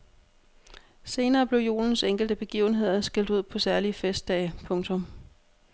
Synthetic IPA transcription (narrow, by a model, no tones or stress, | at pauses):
se̝ːnɐːb̥le̝ʊjo̝̰ːln̩seŋ̰ɡ̥l̩d̥əb̥e̝ɡ̥ḭːʊn̩ɦe̝ð̞̰ˠɐsɡ̥eld̥uð̞̰ˠpʰɒ̽sæɐliəfesd̥ɛ̰ːpʰɔ̽ŋt͡sʰɔ̽m